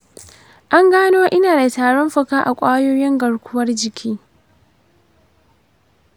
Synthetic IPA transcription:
ʔa˦ŋɡaː˦noː˦ʔɪ˦naː˨da˨taː˨ɽɔ˦mɸɐ˦kaː˦ʔa˨kʷʼaː˦joː˦jɪ˦ŋɡɐ˨ɽkʷʊ˦wɐ˦rd͡ʒɪ˨kʲʰiː˦

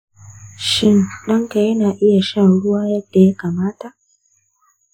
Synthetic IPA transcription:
ʃɪ˦nɗɐ˦ŋka˨jɐ˦naː˨ʔɪ˦ja˨ʃɐ˦˨ɽʊ˦waː˦jɐ˦d̥ːa˨ja˦kaː˨maː˦ta˨ʔ

